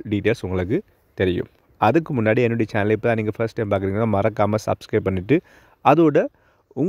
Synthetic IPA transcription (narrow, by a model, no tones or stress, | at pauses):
ɖiːʈeːlsʊŋɡɐɭɯk̬ːɯ | t̪ɛɾɪjɯ̰̃m | ɐðɯkːɯmʊnːaːɽiɛnːʊɽɐjɐt͡ʃanɐlɪpːt̪ãːniːŋɡɐfɐɾsʈːɛɪmpaːɾk̬ɯɾiːŋɡɐnːaːmɐɾɐkːaːmɐsɐ̰bskɾɐɪpːɐɳːɪʈːɯ | ɐðoːɽɐ | ʊŋ